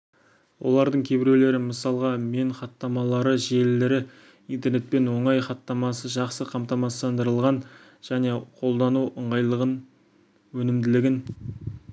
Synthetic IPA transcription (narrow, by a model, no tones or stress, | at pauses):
wo̞̰lˠɑɾd̪əɴkʲʰe̞bɪɾele̞ɾɪməsɑlˠʁɑme̞ɴχɑt̪ːɑmɑlˠɑɾəʒe̞lːɪɾɪ | int̪e̞rɾne̞t̪̚pe̞nwo̞ɴɑjχɑt̪ːɑmɑsəʒɑqsəqʰɑmt̪ɑmɑst̪ɑnd̪əɾəlˠʁɑn | ʒ̥æne̞qʰo̞lˠd̪ɑnuwʔəɴʁɑjlˠəʁən | wɵnɪmd̪ɪlɪɡʲɪn